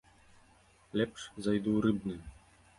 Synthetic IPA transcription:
lʲɛpʂzajd̪uɾɨbnɨ

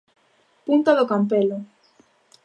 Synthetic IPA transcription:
punt̪aðokamp̬elo

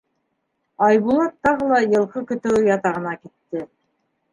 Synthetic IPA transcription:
ɑjβulˠɑt̪ːɑʁɤlˠɑjɤ̆lˠqɤkɵ̆t̪ɵwjɑt̪ɑʁɤ̆nɑkit̪ːɘ

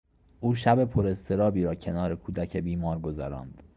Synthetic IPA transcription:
ʔuːʃæbe̞pʰoɾe̞st̪ʰe̞ɾɒːbiːɾɒːcʰe̞nɒːɾe̞kʰuːd̪æcʰebiːmɒːɾɡo̞zæɾɒ̰ːnd̪̥

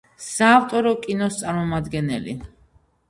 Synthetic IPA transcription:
saːft̪ʼɔɾɔkʼinɔst̪sʼaɾmɔmad̪ɡɛnɛ̰lḭ

